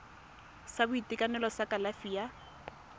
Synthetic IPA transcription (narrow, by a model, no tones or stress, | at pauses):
sabʊitʼɪkʼanɛlɔsakʼalafija